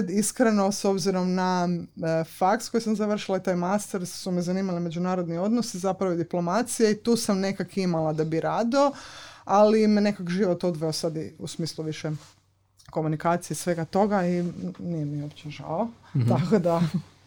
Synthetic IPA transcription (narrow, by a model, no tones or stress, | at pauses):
d̪iskɾenoso̞bziɾo̞mna | faksko̞jisamzaʋr̩ʃilˠait̪aːjmast̪eɾsumizaniːmalimed͡ʑunaːɾo̞d̪nio̞d̪nosizapɾaʋod̪iplo̞mat̪sijeit̪uːsamne̞kakimalˠad̪abiɾaːd̪ioalimenekakʒiʋo̞t̪od̪ʋeosad̪iusmiːsluʋiʃe | ko̞munikaːt̪sijesʋe̞ɡat̪o̞ɡainijemiopt͡ɕeʒa̰ot̪akod̪a